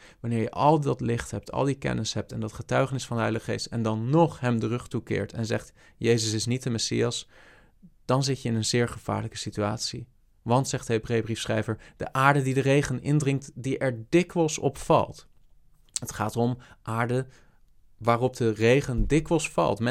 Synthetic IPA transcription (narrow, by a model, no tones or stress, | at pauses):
ʋɑnɪːɹjəʔɑlˠdɑtlɪχtɦɛp̚tʰɑ̰lˠdikɛ̰nəsɦɛp̚tɛndɑtχətœɥχənɪsfɑndəɦɛjlədəχəχejstɛ̰ndɑnːɔχɦɛmdərɵχtukɪ̰ːɹtʰɛ̰nzɛχt | jejzəsɪsnit̚dəmɛsḭɑs | d̥ɑnzɪcəɪnənzɪːɹχəv̥a̰ːɹləkəsitya̰ːtsi | ʋɑntsɛχtəɦebrejəbrifsχrɛjvəɹd̥ə̰ʔaːɹdədidərejχənɪ̰ndrɪŋktdiʔɛɹdɪkʋəlˠsɔ̰pfɑ̰lˠt | ətχaːtɔmʔaːɹdə | ʋaːrɔp̚dərejχəndɪkʋəlˠsfɑ̰lˠtm